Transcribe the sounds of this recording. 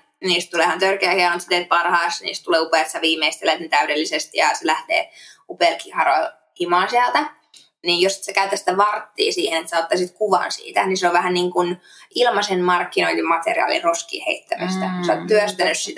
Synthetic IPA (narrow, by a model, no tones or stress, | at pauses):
niːst̪t̪uleːˑhɑnt̪ørkeæhiɑɑnt̪sit̪eːt̪̚pɑrhɑːsnḭːst̪t̪uleːupeˑt̪jɑʋiːmeist̪elet̪nit̪æydelːisest̪jɑselæht̪ḛːupeːˑlkihɑrol | kimɑːnsiælt̪æ | niːjosi̥t̪sekæyt̪ːæst̪æʋɑrt̪ːḭːsiːhenet̪sæot̪ːɑsit̪kuʋɑ̰nsḭːt̪æniseoʋʋæhænniːŋkun | ʔilmɑsenmɑrkːinoilːmɑt̪ḛrḭɑ̰ːlḭroskḭːhḛit̪ːæmist̪æusɑot̪t̪yøst̪ænyssit̪æ